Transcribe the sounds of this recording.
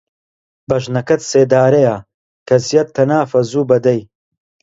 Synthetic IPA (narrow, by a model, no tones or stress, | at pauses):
bɐʒnɐkɐt̪seːd̪aːɾɐja | kʰɐzijɐt̪ʰːɐnaːfɐzuːbɐd̪ɐj